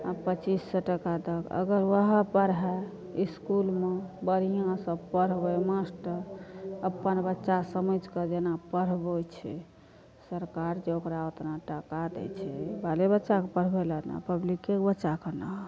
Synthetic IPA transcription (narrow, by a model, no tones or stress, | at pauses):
əpət͡ʃisːəʈəkad̪əkə̰ɡəɾʋəɦəpəɾɦɛ | iskulmebəɾ̤ijãsəbpəɾ̤bəmasʈəəpːənbətːʃasəməd͡ʒkəd͡ʒenapəɾ̤bət͡ʃʰɛ̰ | səɾkaɾd͡ʒeokɾaot̪naʈəkad̪ɛ̰t͡ʃʰɛbalebətːʃakpəɾ̤beləna̰pəblikːekbətːʃakənəɦ